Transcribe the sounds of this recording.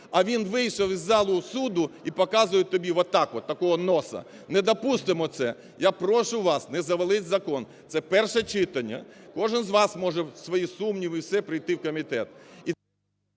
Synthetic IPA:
ɐʋʲinʋɪjʃɐwizːɑlˠʊsud̪ʊipɔkɑzʊjɪt̪ɔbʲiʋɔt̪ɑkʋɔt̪ːɐkɔɦɔnɔsɐ̰ | nɛd̪ɐpust̪ɪmɔt̪sɛ | japɾɔʃʊʋɑsnɛzɐʋɐlˠɪtʲzɐkɔn | t̪sɛpɛrʃɛt͡ʃɪt̪ɐnʲːɐ̰kɔʒɪnzʋɑsmɔʒɛsʋɔjisumnʲiʋiwsɛpɾɪjt̪ɪwkɔmʲit̪ɛt̪i

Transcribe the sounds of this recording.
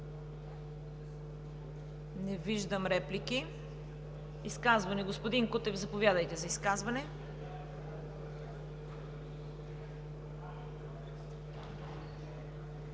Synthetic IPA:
nɛviʒd̪əmɾɛpliki | iskazvɐnɛɡospod̪iŋkut̪ɛvzɐpovʲjad̪əjt̪ɛzɐiskazvɐnɛ

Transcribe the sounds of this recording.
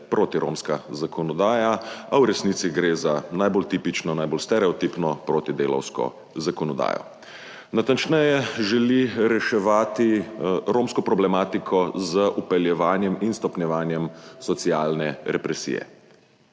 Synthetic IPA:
pɾoːt̪iɾo̰ːmskazakɔnɔd̪aːjaawɾɛsniːt̪siɡɾeːzanajbolt̪iːpit͡ʃnɔnajbolst̪ɛɾɛɔt̪ipnɔpɾoːt̪id̪eːlɔ̰wskɔ̰ | zakɔnɔd̪a̰ːjɔ̰ | nat̪ant͡ʃnɛjɛʒɛliɾɛʃɛʋaːt̪iɾoːmskɔpɾɔblɛmaːt̪ikʰɔzəʔupɛljɛʋaːnjɛminst̪ɔpnʲjɛʋaːnjɛmsɔt̪siaːlnɛɾɛpɾɛsḭːjɛ̰

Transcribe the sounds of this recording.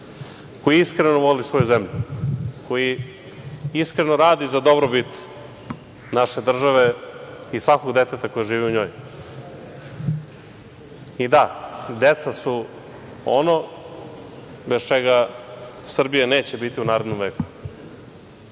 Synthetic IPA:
ko̞jiiskɾenoʋolisʋo̞juzemʎukʰo̞ji | iskɾenoɾaːd̪izad̪o̞bɾobit̪ | naʃe̞d̪r̩ʒaʋe̞isʋako̞ɡd̪et̪et̪ako̞jaʒiːʋiuɲo̞ːj | id̪ad̪et̪sasu | o̰no̞ | best͡ʃeɡa | sr̩bijane̞ːt͡ɕebit̪iunaːɾed̪no̞mʋeːku̥

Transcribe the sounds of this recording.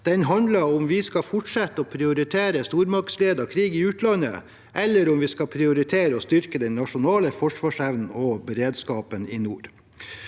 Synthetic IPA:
d̪̥ɛnɦɑnd̪lɑɾʊmʋɪskɑfʊʈʂɛt̪ːəɔpʰɾɪʊɾɪt̪ʰeːɾəst̪uːɾmɑksleːd̪ɑkʰɾiːɡɪʉːt̪lɑnə̰ | ʔɛlːəɾʊmʋiːskɑpʰɾɪʊɾɪt̪ʰeːɾəɔst̪ʏɾkəd̪ɛnnɑʂʊnɑːləfɔʂʋɑːʂæʋnn̩ɔbɛɾeːd̪skɑːpənɪːnuːɾ

